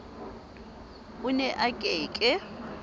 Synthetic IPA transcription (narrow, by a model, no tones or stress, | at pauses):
ʊnɛʔakʼeːkʼɪ